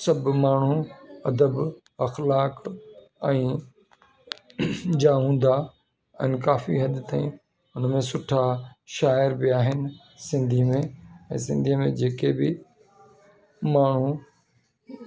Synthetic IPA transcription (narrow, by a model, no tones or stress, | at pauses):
sɐbʱmaːɳ̤uɐd̪əb | ɐxlaːk | ɛ̃ː | d͡ʑaɦũːn̆d̪a | ɛ̰̃ːkaːfḭɦɐd̪t̪aːĩ | ʊnmẽsʊʈʰaʃaːɪɾbɪaːɦɪnɪ̆ | sɪ̃nd̪ʱimẽɛ̃ːsɪ̃nd̪ʱiːmẽd͡ʑeːkebɪ | maːɳ̤u